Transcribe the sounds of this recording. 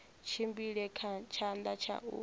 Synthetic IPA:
t͡ʃʰimbiɺɛkʰat͡ʃʰand̪at͡ʃʰa̰ʔṵ

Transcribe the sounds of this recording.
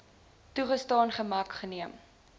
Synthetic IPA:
tuχəstɑːnχəmɐkχəniəm

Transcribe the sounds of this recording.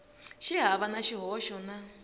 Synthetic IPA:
ʃiɦaβanaʃiɦɔʃɔna

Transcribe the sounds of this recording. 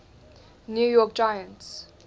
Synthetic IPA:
njujɔk̚d͡ʒaɪə̃nts

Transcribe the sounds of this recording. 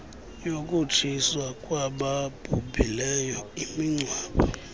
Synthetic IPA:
jokʼut͡ʃʰiswakʼwaɓab̥ʱubʱilɛjɔimiŋ͡ǀwaːɓɔ

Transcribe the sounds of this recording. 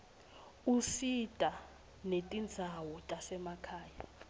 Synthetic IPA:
usitʼa | netʼind͡zʱawɔtʼasɛmakʰaːja

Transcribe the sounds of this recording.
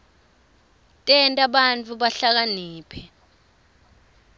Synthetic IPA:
tʼɛntʼaɓant͡fʰʼuɓaɬak̬aniːpʰɛ

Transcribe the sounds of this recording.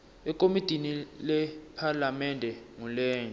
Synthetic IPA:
ɛkʼomitʼinilɛpʰalamɛndʱɛŋulɛːn

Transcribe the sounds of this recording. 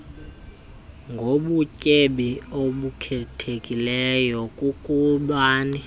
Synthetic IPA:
ŋɡʱoɓucʼeɓioɓukʰɛtʰekʼilɛjɔkʼukʼuɓaːni

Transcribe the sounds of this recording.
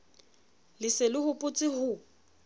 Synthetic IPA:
lɪselɪhʊpʼʊt͡sʼɪhʊ

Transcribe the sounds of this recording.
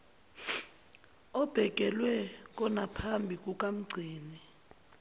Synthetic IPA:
ɔb̥ʱɛk̬ʼɛlwɛk̬ʼɔnapʰambʱik̬ʼukʼam̩ɡ͡ǀʱiːni

